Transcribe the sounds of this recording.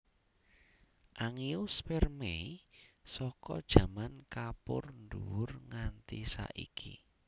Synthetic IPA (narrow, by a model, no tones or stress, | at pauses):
ʔaŋiʊspɛrmeisɔkɔd̥ʒ̥ä̤mankapʊrnduwʊrŋant̪isa̰ʔḭkʰi